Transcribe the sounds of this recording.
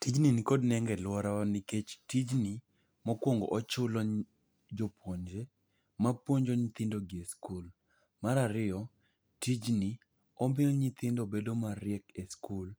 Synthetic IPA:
tid͡ʒninikodnɛŋɡɛlwɔɾaniket͡ʃtid͡ʒni | mɔkwoŋɡo̰ʔɔt͡ʃʊlɔ | d͡ʒopwoɲd͡ʒe | mapwoɲd͡ʒɔɲɪt̪ɪndoɡieskul | maɾaɾɪjɔ | tid͡ʒni | ɔmbɪɲɪt̪ɪndobedomaɾɪɛkeskul

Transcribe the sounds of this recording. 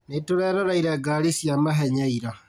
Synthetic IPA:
netoɾɛːɾɔɾaiɾɛɡaːɾisjamaɦɛɲaiɾa

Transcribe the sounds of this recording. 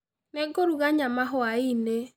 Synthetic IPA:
nɛɡoɾuɣaɲamaɦʊaine

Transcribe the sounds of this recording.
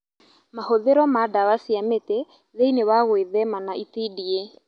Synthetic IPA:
mahoðeɾɔmadawasiamete | ðeinewaɣweðɛmanaʔitidie

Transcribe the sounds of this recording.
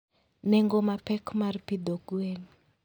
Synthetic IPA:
nɛŋɡɔmapɛkmaɾipid̪ɔɡueni

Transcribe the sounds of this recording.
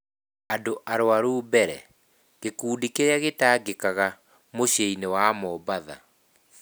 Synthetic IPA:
adoʔaɾwaɾuːbɛɾɛ̰ | ɣekuːdikeɾaɣetaːɡekaɣa | moɕeinewamɔbaða̰

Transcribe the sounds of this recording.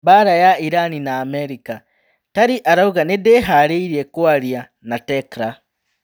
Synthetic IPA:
baɾajaiɾaninaːmɛɾika | taɾiʔaɾauɣanedeɦaɾeiɾiekwaɾja | natɛkɾa

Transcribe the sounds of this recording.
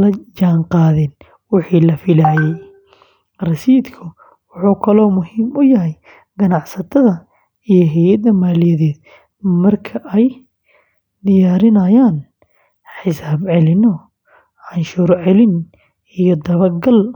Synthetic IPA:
lɐd͡ʒaːɴqɑːðɪn | wɪħiːlɐfɪlaːjɛj | rɐsiːd̪kʰʊ | wʊħuːkʰɐlɔːmʊɦiːmʊjɐɦɛj | ɡɐnɑʕsɐt̪ʰɐðɐ | ijɔɦɛjɐd̪ɐmaːlɪjɐðɛːd̪̚ | mɐrkʰɐʔɛj | d̪ɪjaːɾɪnɐjaːn | ħɪsaːbʕɛlɪnɔ | anʃʊːɾʕɛlɪn | ijɔd̪ɐβɐrɡɐl

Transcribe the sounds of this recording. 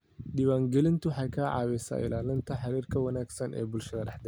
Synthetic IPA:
ɖiwaːŋɡɛlɪnt̪ʰʊħɑjkʰaːʕɑ̰ːwɛsa̰ːʔɪ̰laːlɪnt̪ʰɐħɑɾiːrkʰɐwɐnaːɡsɐnʔɛ̰ːbʊlʃɐðɐɾɑħd̪ɛ

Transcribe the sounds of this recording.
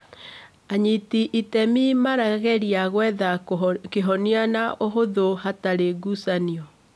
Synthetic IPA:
aɲitiʔitɛmimaɾaɣɛɾiaɣwɛðakeɦɔnianaʔoɦoðohataɾeɡusaniɔ

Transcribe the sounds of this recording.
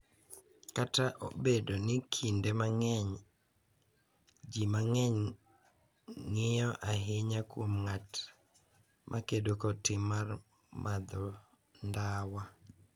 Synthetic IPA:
kataʔo̰bedonɪkʰindemaŋɛɲ | d͡ʒimaŋɛɲ | ŋɪjɔʔaɦɪɲakwomŋat | mʔakedokɔtɪmːar | mʔad̪ɔ | ndawa

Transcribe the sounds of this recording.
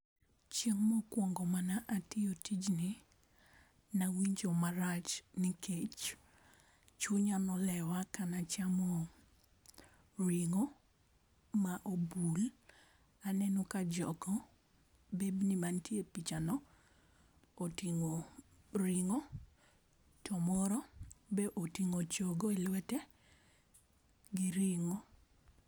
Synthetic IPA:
t͡ʃeŋmɔkwɔŋɡɔmanaʔatɪotid͡ʒni | nawiɲd͡ʒomaɾat͡ʃnɪkʰet͡ʃ | t͡ʃuɲanɔlɛwakanat͡ʃamɔ | ɾiŋo | maʔobul | anɛnokad͡ʒɔ̰ɡɔ | bebnimantjepit͡ʃanɔ | tiŋo | ɾiŋo | tɔmɔɾɔbɛʔotiŋot͡ʃoɡoelwɛtɛ | ɡɪɾiŋo

